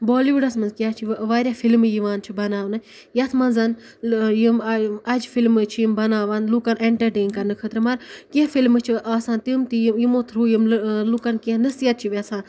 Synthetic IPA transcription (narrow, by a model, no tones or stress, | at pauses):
boːliʋuɖɐsmɐnzkjaːt͡ʃʰiʋʋaːɾʲjafʰilmjiʋaːnt͡ʃʰibɐnaːʋnɨ | jɐt̪ʰmɐnzɐn | jimɐd͡ʒfilmɨt͡ʃʰijimbɐnaːʋɐnlukɐnʔeɳʈɐɾʈeːnkɐɾnɨkʰət̪ɾɨmɐɾkiɐfilmɨt͡ʃʰiʔaːsaːnt̪imt̪ijimot̪ʰɾuːjimlukɐnkinɐsiɐt̪̚t͡ʃʰiʋɐsãːn